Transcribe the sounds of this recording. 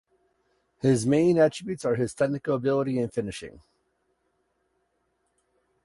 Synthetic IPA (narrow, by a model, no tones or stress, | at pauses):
hɪzmẽɪ̃næt͡ʃɹ̥ɨbjʉtsə˞ɨz̥tʰɛk̚nɨkl̩ˠəbɪlˠəɾiɨ̃nfɪ̃nɨʃɪ̰̃ŋ